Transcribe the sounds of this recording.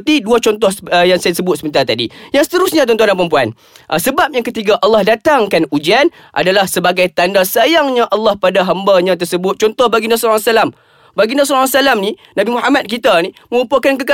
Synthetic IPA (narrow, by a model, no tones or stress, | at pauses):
t̪iduat͡ʃɔnt̪̬ɔhsjaŋsajasəbʊt̪̚səbənt̪at̪adḭjaŋsə̥t̪əɾʊsɲãt̪̬ɔnt̪ɔanãmpəɾəmpua̰n | ʔsəbap̚jaŋkət̪iɡaʔalːɑhdat̪aŋkanud͡ʒian | ʔa̰dalahsəbaɡajt̪andasajaŋɲãʔalːɑhpadaɦambaɲãt̪̬ərsəbʊt̪̚t͡ʃɔnt̪ɔhbaɡinasulasalam | baɡinas̬ulasalamnĩnabimuɦamat̪̚kit̪anĩmə̃upuakankəka